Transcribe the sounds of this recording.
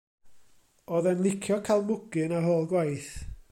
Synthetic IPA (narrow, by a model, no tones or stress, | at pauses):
oːðɛnlˠɪkʰjɔkʰajlˠmʊɡɨnaɦoːlˠɡwajθ